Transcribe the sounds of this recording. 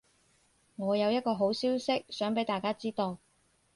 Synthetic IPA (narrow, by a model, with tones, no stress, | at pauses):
ŋɔː˨˧jɐ˨˧wjɐ˥t̚kɔː˧ɦo˨˥wsiː˥wsɪ˥k̚sœː˨˥ŋpe˨˥jt̪aː˨˩jkaː˥t͡siː˥t̪o˧w